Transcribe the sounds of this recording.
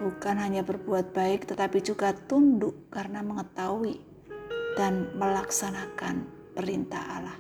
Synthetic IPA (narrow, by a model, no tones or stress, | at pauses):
b̥ukanɦaɲabərbuat̪̚b̥aɪk̚t̪ət̪apid͡ʒuɡat̪undʊʔkarənaməŋət̪awi | d̥anməlaksanakan | pəɾint̪a̰ha̰lah